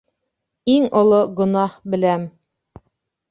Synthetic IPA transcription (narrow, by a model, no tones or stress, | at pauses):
iŋŏlˠoɡŏnɑhbɘ̆læm